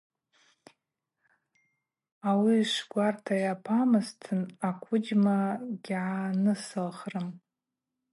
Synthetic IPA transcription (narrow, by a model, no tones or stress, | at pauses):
awiʂʷɡʷartʰajapʰamɨztʰɨnakʷʰʊd͡ʒmaɡʲʕanɨsɨlχrɨm